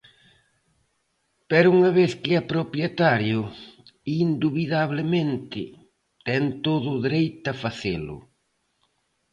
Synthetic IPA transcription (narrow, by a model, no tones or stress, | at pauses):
pɛɾuŋɐβeθkɪɐpɾopjet̪aɾjʊ | ind̪uβiðaβlemẽnt̪ɪ | t̪ɛnt̪oðʊðeɾejt̪ɐfaθelʊ̰